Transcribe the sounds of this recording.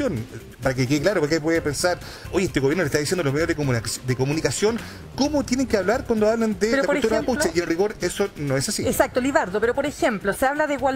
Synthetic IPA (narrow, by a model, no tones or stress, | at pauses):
on | paɾakekeɣeklaɾopoɾkep̬weðepensaɾ | ojeet̪eɣoβjeɾnolest̪aðisjend̪olomeðjoðd̪ekomunikasjon | komot̪jeneŋkeaβlaɾkwand̪oaβlend̪epeɾoakut̪uɾaaaput͡ʃeienriɣo̞ɾesonoesasiesak̚t̪oliðaɾðopeɾopoɾexemploseaβlaðeɣwa